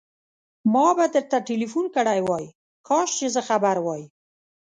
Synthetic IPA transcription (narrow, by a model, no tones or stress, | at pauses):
mɑbad̪əɾt̪aʈilifunkəɽajwɑj | kʰɑʃt͡ʃezəxabaɾwɑj